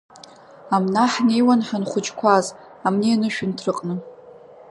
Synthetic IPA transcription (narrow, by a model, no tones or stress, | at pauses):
amnaħnejwanħanχʷʊt͡ʃʼkʷʰaz | amnianɨʃᶣʊntʰrɨqʼnɨ